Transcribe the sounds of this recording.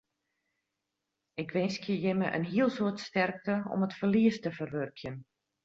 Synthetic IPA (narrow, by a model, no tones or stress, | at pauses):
ɪkʋɪnskjəjɪməʔə̰nɦiəlˠsuətstɛrk̚təɔ̰mətfərliəstəfərʋørkʰjən